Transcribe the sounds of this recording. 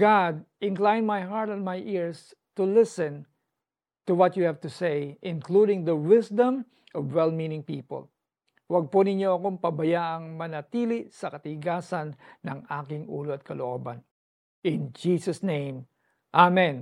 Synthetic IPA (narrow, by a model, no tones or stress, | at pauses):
ɡad̪̚ʔɪŋklajnmajɦaɹt̪ɛnmajʔɪɹs | t̪ʊlɪsɛ̃n | t̪uwɔt̪juhɛvt̪ʊsejʔɪ̃nkludɪŋd̪əwɪsd̪ɐ̃m | ʔɔvwɛlminɪŋpiːpə̰l | wɐɡ̚ponɪɲoɐkompɐbɐjaʔɐŋmɐnɐt̪ilɪsɐkɐt̪ɪɡaːsɐnːɐŋʔaːkɪŋʔṵːloɐt̪̚kɐloʔoban | ʔɪnd͡ʒisɐsnẽj̃m | ʔamɛ̃n